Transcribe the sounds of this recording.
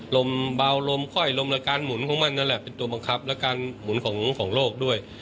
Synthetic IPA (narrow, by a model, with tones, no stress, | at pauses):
lo˧mba˧wlo˧mkʰɔ˥˩jlo˧mla˧kaː˧nmu˨˩˦nkʰɔː˨˩˦ŋma˧nːa˦˥nlɛ˨˩pe˧nt̪u˧ɐba˧ŋkʰa˦˥p̚lɛ˦˥wkaː˧nmu˩˦nkʰɔː˩˦ŋ˧˦˥ŋkʰɔː˩˦ŋloː˥˩k̚du˥˩əj